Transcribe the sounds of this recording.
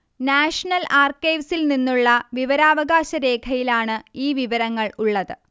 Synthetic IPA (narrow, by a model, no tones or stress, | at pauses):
naːʂɐnɐlaːrkːɐjʋsilninːuɭːɐʋiʋɐɾaːʋɐɡaːɕɐɾe̞ːkʰɐjilaːɳɨiːʋiʋɐɾɐŋːɐɭuɭːɐðɨ